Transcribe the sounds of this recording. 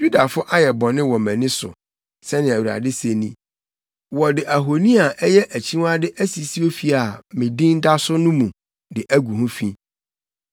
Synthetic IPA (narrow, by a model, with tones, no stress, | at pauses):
ju˦da˨fʊ˦ʔa˦jɛ˨bɔ̃˨nɪ̃˦wɔ˨mæ̃˨nɪ̃˦sʊ̰˨ | sɛ˦nɪ̃˨æ˨wu˨ɾa̰˨dɪ˦se˨nĩ˦ | wɔ˨dɪ˨ʔæ˨ɦo˨nĩ˦a˨ʔɛ˦jɛ˦ʔæ˨t͡ɕʰĩ˦wa˦dɪ˦ʔæ˦si˨si˦o˦fi˨a˨mɪ̃˨dĩ˦n̩˦da˦sʊ˦nʊ̃˦mũ˨ | dɪ˨ʔæ˦ɡu˨ɦũ˦fĩ˦